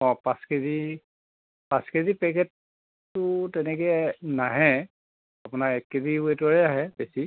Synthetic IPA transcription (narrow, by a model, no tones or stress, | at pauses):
ɔ̃pãskedi | paskedipɛkɛtː | ʊtɛnɛkɛnaɦɛ | apʊnaɹɛkkediwetɔɹɛaɦɛbesi